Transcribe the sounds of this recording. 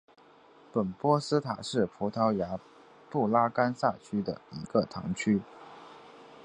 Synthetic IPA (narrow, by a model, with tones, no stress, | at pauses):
pə˨˩npwɔ˥sɹ̩˥t̪ʰa˨˩ʂɻ̩˥˩pʰu˧˥t̪ʰɑ˧˥ʊja˧˥ | pu˥˩la˥ka˥nsa˥˩t͡ɕʰy˥d̪ə̰˨i˧˥ɡ̥ə˨t̪ʰɑ̰˧˥ŋt͡ɕʰy˥